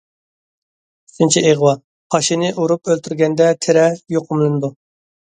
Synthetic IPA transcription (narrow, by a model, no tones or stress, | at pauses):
y̥sɪnt͡ʃʰiʔeʁwɑ | qʰɑʃinɪʔuɾupølt̪ʰyɾɡʲɛnd̪ɛt̪ʰɪɾɛjoqʰʊmlˠɨnɨd̪u